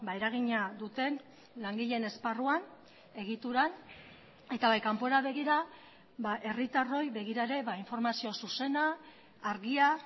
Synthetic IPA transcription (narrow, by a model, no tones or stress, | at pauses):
bae̞ɾaɣ̞iɲad̪ut̪e̞n | laŋɡiʎe̞ne̞sparuan | e̞ɣit̪uɾan | e̞t̪aβajkampo̞ɾaβ̞e̞ɣiɾa | baʔe̞rit̪aro̞jβe̞ɣ̞iɾaeɾe̞βaiɱfo̞ɾmasio̞suse̞naː | ɾɣia